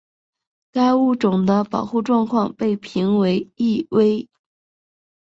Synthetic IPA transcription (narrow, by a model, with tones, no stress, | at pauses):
ka˥ɪu˥˩ʈ͡ʂʊ˨˩ŋd̪ə˦pɑ˨˩ʊxu˥˧ʈ͡ʂwɑ˥˧ŋkʰwɑ˥˧ŋpe˥˩ɪpʰi˧˥ŋwe˧˥ɪi˥˩we˥ɪ